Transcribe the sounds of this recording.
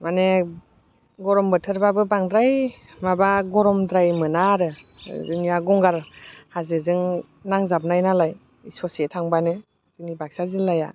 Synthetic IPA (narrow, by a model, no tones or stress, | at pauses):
mane | ɡɔɾɔmbɯtʰɯɾbabɯbaŋdɾaj | mabaɡɔɾɔmdɾajmɯnaɾɯzɯŋjaɡɔŋɡaɾhazɯzɯŋ | naŋzap̚najnalaj | isɔsetʰaŋbanɯ | z̥ɯŋnibak̚sazinlaja̰